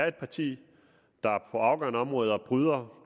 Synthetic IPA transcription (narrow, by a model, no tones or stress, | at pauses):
ɐe̝d̥̚pʰɑ̈t͡sʰḭː | d̥ɑ̈pʰɒ̽ɑ̈ʊɡ̥ɶnəɒ̽mʁɔ̽ːð̞ˠɐb̥ʁyð̞ˠɐ